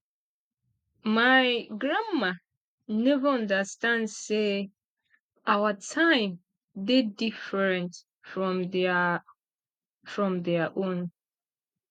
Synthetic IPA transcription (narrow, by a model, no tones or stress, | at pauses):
majɡɹãma | nɛvəɔ̃ndəstãndse | awətʰãɪ̃m | dedifəɹɛ̃nt | fɹɔ̃m | fɹɔ̃mdɛaʔõn